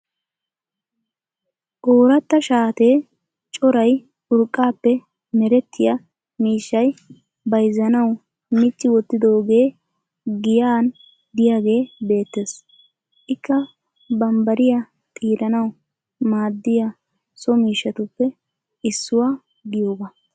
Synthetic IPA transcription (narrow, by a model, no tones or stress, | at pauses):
ʔoːɾɐt̪ːɐʃaːt̪e̞ː | t͡ʃʼɔɾɐj | ʊɾkʼːaːpːɛ | mɛɾɛt̪ʰːɪja | miːʃːɐj | bɐjzːɐnɐw | mɪt͡ʃːɪwɔt̪ːɪd̪o̞ːɡe̞ː | ɡɪjaːn | d̪ɪjaːɡe̞ːbe̞ːt̪ːe̞ːs | ʔɪkːɐ | bɐmbɐɾɪja | t̪ʼiːɾɐnɐw | maːd̪ːɪjɐ | sɔmiːʃːɐt̪ʊpːɛ | ʔɪsːʊwaː | ɡɪjo̞ːɡɐ